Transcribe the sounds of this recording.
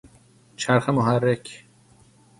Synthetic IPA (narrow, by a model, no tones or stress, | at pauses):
t͡ʃʰæɾxemoɦærːecʰ